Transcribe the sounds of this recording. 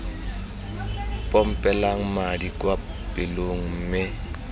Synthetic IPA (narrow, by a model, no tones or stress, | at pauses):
pʼɔm̩pʼɛlaŋ̩madikʼwa | pʼɪloŋ̩mɪ